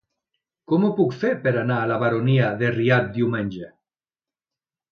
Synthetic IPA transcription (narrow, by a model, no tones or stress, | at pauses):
kɔmopukfeɾpeɾanaːlaβaɾoniaðeriat̪̚d̪iwmẽnʲd͡ʒe